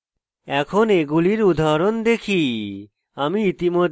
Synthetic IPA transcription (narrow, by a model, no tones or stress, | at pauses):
ɛkʰoneɡuliɾud̪ʱaɾond̪ekʰi | amiit̪imod̪